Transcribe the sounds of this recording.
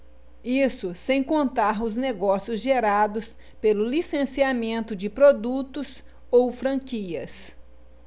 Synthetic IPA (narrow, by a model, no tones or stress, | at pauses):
isʊsẽj̃kõnt̪aɾʊzneɡɔsiʊzʒeɾad̪ʊs | pelʊlisẽsiamẽnt̪ʊd͡ʒɪpɾod̪ut̪ʊs | owfɾɐ̃kiɐs